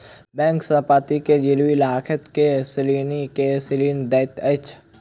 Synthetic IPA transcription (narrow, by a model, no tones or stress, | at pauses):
bɛ̃ːŋksəpaːt̪iked͡ʒɪlwilɦaːkʰət̪kesɪlinikesɪliːnd̪ɛt̪ət͡ʃʰ